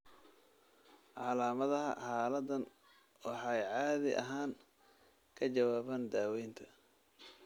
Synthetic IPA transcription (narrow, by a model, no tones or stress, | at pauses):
ʕɑlaːmɐðɐɦɐ̰ħɑːlɐd̪ɐn | wɑħɑjʕɑːðɪʔɐ̰ɦaːŋ | kʰɐt͡ʃɐwaːβɐnd̪aːwɛjnt̪ʰɐ̥